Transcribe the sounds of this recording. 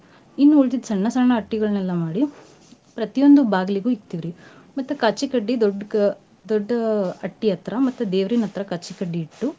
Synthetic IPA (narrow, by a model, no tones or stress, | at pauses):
inːuuɭt̪̬id̪sɐɳːɐsaːɳɐːʈːiɡɐɭɐnɛlːɐmaːɽi | pɾɐt̪ijo̞nd̪ubaːɡliɡuːikt̪iʋiɾi | mɐt̪ːukaːt͡ʃːikɐɖːid̪ɔɖ | d̪ɔɖːɐɐʈːiɐt̪ɾɐmɐt̪ːud̪eːʋɾinɐt̪ɾɐkaːt͡ʃːikɐɖːiːʈːu